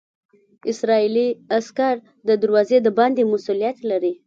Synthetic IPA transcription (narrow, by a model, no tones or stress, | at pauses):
ɪsɾɑiliaskaɾ | d̪əd̪əɾwɑzed̪əbɑnd̪emʊsulijat̪laɾi